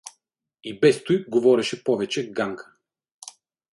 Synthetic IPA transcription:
ibɛst̪ujɡovɔɾɛʃɛpɔvɛt͡ʃɛɡaŋkʰə̥

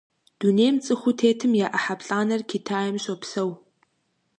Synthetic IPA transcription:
d̥uneːmt͡sʼɨxʷʊtʰeːtʰɨmjaːʔɐħapɬʼaːnɐrkʰitʰaːjɐmɕʼɐpsɐw

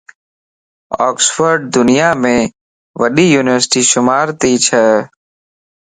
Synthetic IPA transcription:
ɔːksfəɾɖ̚d̪ʊnɪjaːmẽː | ʋəɗiːjuːnɪʋəɾsɪ̥ʈiːʃʊmaːɾt̪iːt͡ʃʰəː

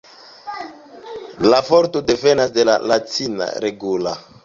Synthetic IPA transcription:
lafoɾtode̞ve̞nasde̞la̰lat͡sina̰ɾeɡula

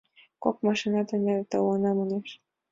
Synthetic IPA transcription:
kok̚mɑʃinɑt̪ɑnɑɾt̪ɑwɑnɑmuneʃ

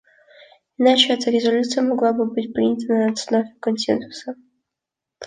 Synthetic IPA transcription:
ɪnat͡ɕɪɛt̪əɾʲɪzɐlʲut̪sɨjəmɐɡlˠabɨbɨtʲpɾʲinʲət̪ənəɐt̪snovʲɪkɐnsʲḛnsʊ̥sə

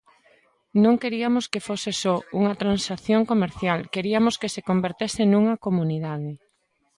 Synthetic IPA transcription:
nõŋkeɾiɐmoskefosesɔuŋɐt̪ɾansaθjoŋkomeɾθjalkeɾiɐmoskesekombeɾt̪esɪnuŋɐkomuniðaðe

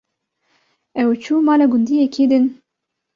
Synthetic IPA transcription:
ɛwt͡ʃʰuːmɑːlɛɡʊnd̪iːjekʰeːd̪ɨn

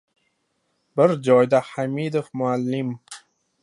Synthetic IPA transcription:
bɪɾd͡ʒɒjd̪aħamid̪ofmʊalːɪm

